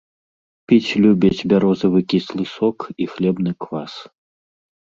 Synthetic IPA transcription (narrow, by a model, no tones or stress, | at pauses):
pʲit͡sʲlʲubʲɐt͡sʲbʲaɾɔzɐvɨkʲislˠɨsɔkixlʲɛbnɨkvas